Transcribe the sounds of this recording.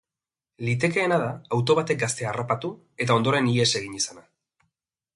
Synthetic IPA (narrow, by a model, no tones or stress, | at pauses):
lit̪e̞ke̞ːnaðaːwt̪o̞β̞at̪e̞k̚ɡast̪e̞arapat̪u | e̞t̪ao̞nd̪o̞ɾe̞nie̞se̞ɣ̞iɲisana